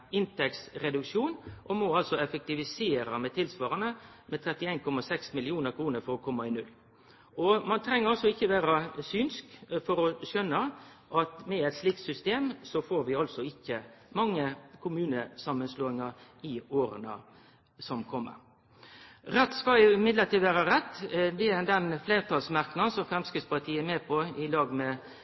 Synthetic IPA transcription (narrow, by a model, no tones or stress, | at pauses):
ɪnt̪ɛksɾɛd̪ʉkʂuːnʔɔmɔɑlsɔɛfɛk̚t̪ɪʋɪseːɾɑmɛt̪ʰɪlsʋɑːɾənəmɛt̪ʰɾɛt̪ːɪeːnkʰɔmːɑsɛksmɪlɪuːnəɾkʰɾuːnəɾfɔɾɔkʰɔmːɑɪnʉlː | ɔmɑnt̪ʰɾɛŋːəɾɑlsɔɪçːəʋæːɾɑsyːnskfɔɾɔɕœnːə | ʔɑt̪mɛæɪt̪sliːk̚t̪sʏst̪eːmsɔfoːɾʋɪɑlsɔɪçːəmɑŋːəkʰʊmʉːnəsɑmːənsloːɪŋɑɾɪoːɾənə̰ | sɔmkʰɔmːə̰ɾ | ɾɛt̪ːskɑɪmɪd̪lət̪iːd̪ʋæːɾɑɾɛt̪ːd̪ɛæd̪ɛnfleːɾt̪ʰɑlsmæɾknɑnsɔmfɾɛmskɾɪt̪spɑt̪ʰiːəmeːpʰɔɪlɑːɡmɛ